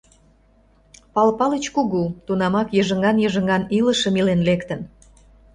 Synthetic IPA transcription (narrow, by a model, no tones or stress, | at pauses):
pɑlpɑlət͡ɕkuɣut̪unɑmɑkjəʒə̆ŋɑnjəʒə̆ŋɑnilə̆ʃə̆milenlekt̪ə̆n